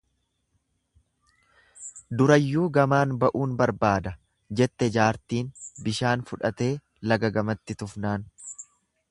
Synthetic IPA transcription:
d̪ʊɾɐjːuːɡɐmaːnbɐʔuːnbɐɾbaːd̪ɐ | d͡ʒɛt̪ːɛd͡ʒaːɾt̪iːnbɪʃaːnfʊᶑɐt̪e̞ː | lɐɡɐɡɐmɐt̪ːɪt̪ʊfnaːn

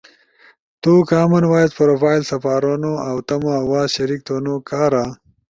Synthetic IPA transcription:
t̪uːkaːmɐnwaːjzpɐɾofaːjlsɐfaːɾonoawt̪ɐmawaːzɕɐɾik̚t̪oːnokaːɾa

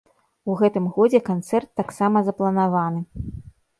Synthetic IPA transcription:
uɣɛt̪ɨmɣɔd͡zʲɛkant̪sɛrt̪ːaksamɐzɐplˠɐnavanɨ

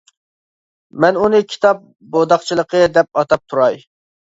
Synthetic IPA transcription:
mɛnunɨkʲʰi̥t̪ɑp̚ | bod̪ɑχt͡ʃʰilˠəqʰəd̪ɛp̚ɑt̪ɑp̚t̪ʰuɾɑj

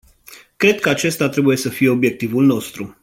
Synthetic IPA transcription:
kɾe̞d̪̚kəat͡ʃe̞st̪at̪ɾe̞buje̞səfije̞o̞bje̞k̚t̪ivulno̞st̪ɾu

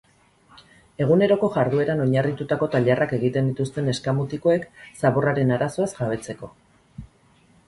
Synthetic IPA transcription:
e̞ɣ̞une̞ɾo̞ko̞ʝaɾðue̞ɾano̞ɲarit̪ut̪ako̞t̪aʎarʔake̞ɣit̪e̞nd̪it̪ust̪e̞ne̞skamut̪iko̞e̞ksaβo̞raɾe̞naɾaso̞asʝaβ̞e̞t͡se̞ko̞

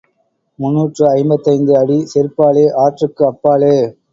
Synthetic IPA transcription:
mʊnːuːʈrɯɐɪmbɐt̪ːɐɪnd̪ɯɐɽisɪɾpːaːleːʔaːʈrɯkːɯɐpːaːleː

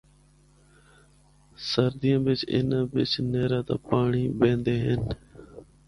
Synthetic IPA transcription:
səɾd̪ɪjãːbɪt͡ʃɪ̰nãːbɪt͡ʃneːɾãːt̪a̰ːpaːɳiːbẽːnd̪eːɦɪn

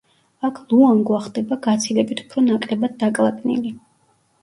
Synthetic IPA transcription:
akʰlˠuaŋɡwaχd̪ɛbaɡat̪sʰilɛbit̪ʰu̥pʰɾɔnakʼɾɛbad̪̚ːakʼlˠakʼnḭli

